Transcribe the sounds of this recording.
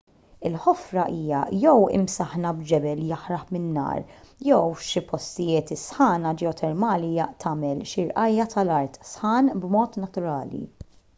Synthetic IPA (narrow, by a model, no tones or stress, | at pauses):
ɪlħɔfɾɐʔiːjɐ̰jɛwɪ̰msɐħnɐbd͡ʒɛbɛljɐħɾɐħmɪnːɐ̰ːɾjɛwʃipɔst̪ɪjɪːt̪ɪsħɐːnɐd͡ʒɛɔt̪ʰɛɾmɐːliːjɐt̪ʰɐːmɛlʃɪɾʔɐjːɐt̪ɐlɐɾt̪sħɐːnbmɔːt̪nɐt̪ʊɾɐːlḭ